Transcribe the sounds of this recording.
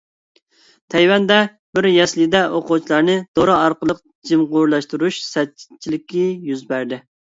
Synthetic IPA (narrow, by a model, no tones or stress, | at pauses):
t̪ʰɛjwɛnd̪ɛ | bɪɾjɛslɪd̪ɛʔoqʊt͡ʃʰilˠɑɾnɨd̪̥oɾɨɑɾqəlˠəq | d͡ʒimʁʊɾlˠɑʃt̪uɾuʃsɛt͡ʃt͡ʃʰilɪkʲijyzbæɾd̪ɪ